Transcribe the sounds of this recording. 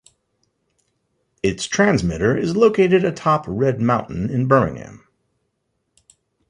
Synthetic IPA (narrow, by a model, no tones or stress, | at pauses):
ɪtstʰɹ̥æ̃nzmɪɾə˞ɪzloʊkʰeɪɾɨɾɨtʰɑpʰɹɛd̚mãʊ̃nʔn̩ɪ̃nbɜ˞mɪ̰̃ŋhæ̰̃m